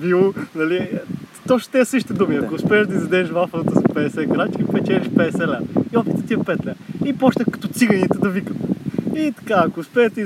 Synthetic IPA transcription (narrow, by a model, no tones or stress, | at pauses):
bionɐlit̪ɔʃt̪ɛɛsəʃ̬i̥t̪ɛd̪umiɐkoʊspɛɛʃd̪ɐizɐd̪ɛːʃvafət̪əspɛɛsɛɡɾat͡ʃkipɛt͡ʃɛlʲiʃpɛɛsɛlɛiɔpit̪ət̪iɐpɛt̪lʲɛipɔʃnʲəkɐ̥t̪ɔt̪siɡənʲit̪əd̪ɐvikət̪it̪ɐ̥kaɐkoːspɛʃt̪i